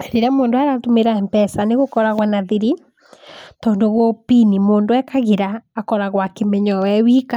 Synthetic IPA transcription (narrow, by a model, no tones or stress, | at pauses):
ɾeɾamoːndoaɾatomeɾaɛmpɛsaneɣokɔɾaɣwanaðiɾi | tɔːndoɣwɔpinimoːndoɛkaɣiɾaːkɔɾaɣwakemɛɲɔwɛwika